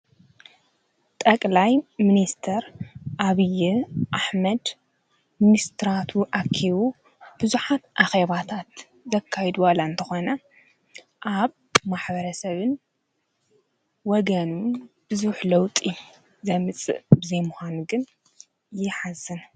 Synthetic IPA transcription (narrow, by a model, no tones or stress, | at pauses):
t̪ʼɐkʼlajminist̪ʰɐɾʔaβijiʔaħmɐd̪ | minist̪ʰɨɾat̪ʰuʔakʰːiβu | b̥ɨzuħat̪ʔaxeβat̪ʰat̪ | zɐkʰːajd̪uwalaɨnt̪ʰɐxonɐ | ʔaβ | maħbɐɾɐsɐβɨn | wɔɡɐnubɨzuħlɐwt̪ʼi | zɐmɨt͡sʼɨ̰ʔbɨzɐjmuxanuɡɨn | jɪħazːɨn